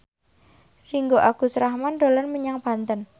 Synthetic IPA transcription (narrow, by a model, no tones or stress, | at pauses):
riŋɡoʔaɡ̥ṳsɾahmand̪olɔnməɲaŋb̥a̤nt̪ən